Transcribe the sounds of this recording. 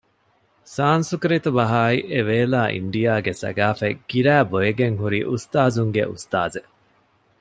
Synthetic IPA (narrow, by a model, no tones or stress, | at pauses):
saːnsukɾit̪ubɐɦaːiʔeʋeːlaːʔḭɳɖijaːɡesɐ̰ɡaːfeɡ̥iɾæːbojeɡeŋɦuɾḭːʔust̪aːzuŋɡḛʔṵst̪a̰ːze